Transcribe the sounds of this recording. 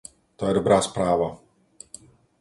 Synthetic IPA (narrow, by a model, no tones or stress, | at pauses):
t̪aːɪɾbɾaspɾaːvɔ